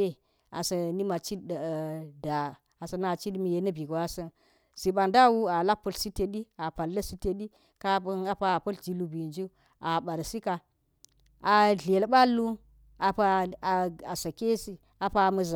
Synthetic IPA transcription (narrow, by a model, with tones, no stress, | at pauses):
e˦ | a̰˨sɐ˨ni˦ma˨t͡ʃi˦dda˨ | a˨sɐ˨na˨t͡ʃi˦dmi˨je˨nɐ˦bi˨ɡwa˦sɐ˦n | si˨ɓa˨nda˦wu˦a˨la˦pːɐ˨lsi˦te˨ɗi˦a˨pa˨lːɐ˦si˦te˨ɗi˦ | ka˦na˨pa˦˨pɐ˦ld͡ʒi˨lu˨bi˨nd͡ʒu˦ | ʔa˨ɓa˨ɾsi˦ka˨ | a˨ɮe˨lɓa˦lːu˦ | a˨pa˦˨ | a˨sɐ˨ke˦si˦ | a˨pa˦˨mɐ˦za˨